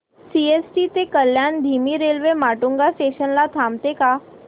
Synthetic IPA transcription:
siesʈit̪ekəljaːnd̪ʱiːmiɾelʋemaːʈũŋɡasʈeʃənlat̪ʰaːmt̪eka

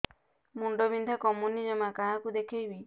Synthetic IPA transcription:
muɳɖobind̪ʱakɔmunid͡ʒɔmakaɦãkud̪ekʰijbi

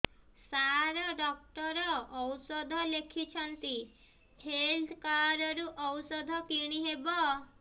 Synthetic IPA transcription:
saɾɔɖɔk̚ʈɔɾɔːwsɔd̪ʱɔlekʰit͡ʃʰɔnt̪i | held̪kaɾɔɾuʔɔwsɔd̪ʱɔkiɽ̃iɦebɔ

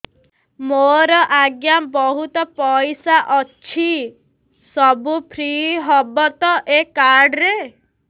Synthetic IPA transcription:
moɾɔʔaɡjambɔɦut̪ɔpɔjsaʔɔt͡ʃʰi | sɔbupʰɾiɦɔbɔt̪ɔʔekaɾɖɾe

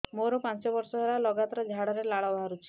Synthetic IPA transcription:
moɾɔpãnt͡ʃɔbɔɾsɔɦelalɔɡat̪ɾɔd͡ʒʱaɽɔɾelaɭɔbɦaɾut͡ʃʰi̥

